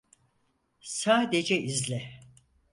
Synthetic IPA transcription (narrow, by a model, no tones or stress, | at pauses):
saːd̪ed͡ʒɛʔizlʲɛ